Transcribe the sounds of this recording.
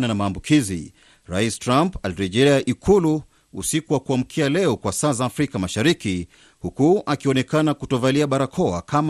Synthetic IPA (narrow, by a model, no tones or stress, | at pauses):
nanamaːmbukʰizḭ | ɾaistɾampaliɾɛʄɛlɛaʔikʰulu | ṵsikuwakuam̩kʰialɛɔkwasaːzaːfɾikamaʃaɾiki | hukuʔakiɔnɛkanakutɔvaliaɓaɾakʰɔa̰kʰam